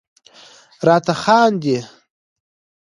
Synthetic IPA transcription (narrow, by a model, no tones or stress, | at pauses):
ɾɑːt̪axɑːnd̪i